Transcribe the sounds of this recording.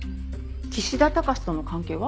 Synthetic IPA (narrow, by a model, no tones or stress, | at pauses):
t͡ɕiɕid̪at̪akaɕi̥t̪ono̞kãŋke̞ːβa